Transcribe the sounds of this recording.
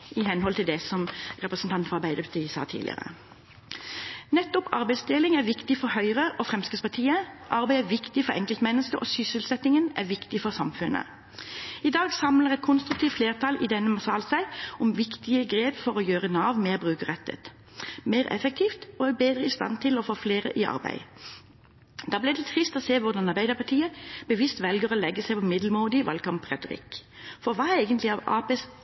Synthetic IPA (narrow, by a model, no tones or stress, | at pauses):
ʔɪhɛnhɔlt̪ɪld̪ɛsɔmʁɛpʁəsn̩t̪ɑnt̪fɔʁɑʁbæɪd̪əʁpʰɑt̪ʰiːəsɑ̰ːt̪ʰḭd̪ɪ̰ə̰ʁə̰ | nɛt̪ːʊpɑ̰ʁbæɪsd̪eːlɪŋæʁʋɪkt̪ɪfɔɾhœʏʁəʔɔfʁɛmskɪspɑʈ̪ʰiːəʔɑʁbæɪæʋɪkt̪ɪfɔʁɛŋkəlt̪mɛnːəskəʔo̰ːsʏsəlsɛt̪ɪŋənæ̰ʁʋɪkt̪ɪfɔʁsɑmfʉnʔə̰ | ɪd̪ɑːɡsɑmləʁɛt̪̚kʰʊnst̪ʁʉkt̪iːʋt̪fleːʁt̪ʰɑlʔɪd̪ɛnːəmɑsɑːlsæɪɔmʋɪkt̪ɪəɡʁeːb̪fɔʁɔjøːʁənɑːʋmeːʁbʁʉːkəʁɛt̪ːə̰t̪ | meɪʁɛ̰fək̚t̪ʰiːft̪oːæbeːd̪ʁəɪst̪ɑ̰nt̪ʰɪlɔfoːfleːʁə̰ʔɪʔɑ̰ʁbæ̰ɪ | d̪ɑːblɪd̪ɛt̪ʰʁɪst̪ɔːseːʋʊʁd̪ɑnɑʁbæɪd̪əpʰɑʈ̪ʰiːəb̥əʋist̪ʋɛlɡəʁoːlɛɡːəsæɪpʰɔmɪd̪l̩muːd̪ɪʋɑ̰lkɑmpʰʁɛt̪ʊʁɪ̰kfɔʁʋɑːææɪɡənt̪lɪɑːʋɑ̰ːpeːs